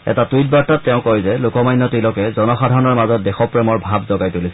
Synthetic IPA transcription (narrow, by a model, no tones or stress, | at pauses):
ɛ̰tatujt̚baɹtatːɛʊ̃kɔjzɛlʊkɔmajnːɔtilɔkɛzɔnɔxadʱaɹɔnɔɹmazɔt̚dɛxɔpɹɛmɔɹbʱabzɔɡajtulisɛ